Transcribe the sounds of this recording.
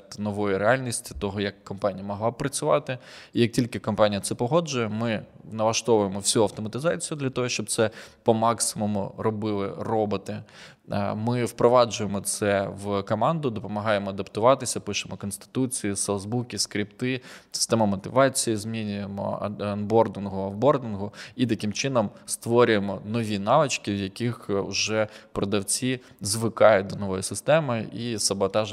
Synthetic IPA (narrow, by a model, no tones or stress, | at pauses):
t̪nɔʋɔjiɾealʲnʲisʲtʲi̥t̪ɔɦɔjɐkːɔmpɑnʲijɐmɔɦlˠɑpɾɐt͡sʲʊʋɑ̰t̪ɪijɐk̚tʲilʲkɪkɔmpɑnʲijɐt̪sɛpɔɦɔd͡ʒʊjɛmɪnɐʋˠɐʃt̪ɔʋʊjemɔwsʲuɐwt̪ɔmɐt̪ɪzɑt͡sʲijʊd̪lʲɐt̪ɔɦɔʃt͡ʃɔb̚t̪sɛpɔmɑksɪmɔmʊ̰ɾɔbɪlˠɪ̰rɔbɔt̪ɪ | mɪwpɾɔʋɑd͡ʒʊjemɔt̪sɛʋkɔmɑnd̪ʊd̪ɔpɔmɐɦɑjemɔɐd̪ɐpt̪ʊʋɑt̪ɪsʲɐpɪʃemɔkɔnst̪ɪ̥t̪ut͡sʲijisɛlˠzbukʲiskɾʲipt̪ɪsɪ̥st̪ɛmɐmɔt̪ɪʋɑt͡sʲijizmʲinʲʊjemɔ̰ɐnbɔrd̪ɪnɦʊɐbɔrd̪ɪnɦʊit̪ɐkɪmt͡ʃɪnɔmst̪ʋɔɾʲʊjemɔnɔʋʲinɑʋɨt͡ʃkɪwjɐkʲixʒɛpɾɔd̪ɐwt͡sʲi | zʋɪkɑjʊt̚ʲd̪ɔnɔʋɔjisɪst̪ɛmɪisɐbɔt̪ɑʒ